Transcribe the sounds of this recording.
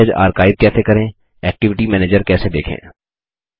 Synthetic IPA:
əd͡ʒa̰ːɾkaːɪt̪̚jɛːt̪ʰekɐɾẽ | ɛːk̚ʈɪʋɪʈimɛːneːd͡ʒəɾkɛːsed̪eːkʰḛ̃ː

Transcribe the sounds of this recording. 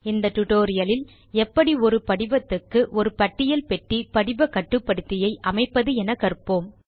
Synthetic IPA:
ɪnd̪ɐʈ̪ʊʈoːɾɪjɐlɪl | ɛpːɐɽiɔɾɯpɐɽɪʋɐt̪ːɯkːɯʔɔɾɯpɐʈːɪjɐlpɛʈːipɐɽɪbɐkːɐʈːɯpːɐɽɯt̪ːɪjɐɪʔɐmɐɪpːɐðɯɛnɐkɐɾɯpːoːm

